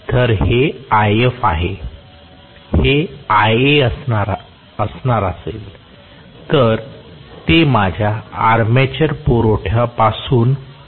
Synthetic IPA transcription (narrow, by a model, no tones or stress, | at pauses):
t̪əɾheajefaɦe | heajeəsnaɾ | əsnaɾasel | t̪əɾt̪emad͡ʑʱjaːɾmet͡ɕəɾpuɾoʈʰjapasuːn